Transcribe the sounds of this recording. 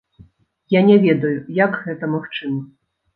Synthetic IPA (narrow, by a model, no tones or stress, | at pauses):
janʲɛvʲɛd̪ɐjujaɡɣɛt̪ɐmaxt͡ʂɨmɐ